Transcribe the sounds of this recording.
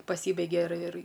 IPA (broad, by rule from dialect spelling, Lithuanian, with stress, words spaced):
pɐˈsʲiːbʲɛɪɡʲɛ ɪr ɪr